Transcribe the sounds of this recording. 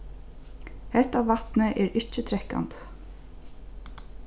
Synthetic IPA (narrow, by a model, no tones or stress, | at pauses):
hɛht̪avat̪nɪʔɛɾɪht͡ʃɪt̪ʰɾɛhka̰nt̪